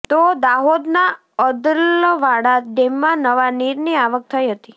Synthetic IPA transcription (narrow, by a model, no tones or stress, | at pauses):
t̪od̪aɦod̪na | əd̪əlʋaɽat̪ɖemːãnəʋaniɾniaʋək̚t̪ʰəiɦət̪i